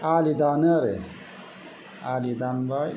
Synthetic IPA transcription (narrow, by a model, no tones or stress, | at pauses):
aːlid̪anɐɾḛ | aːlid̪anba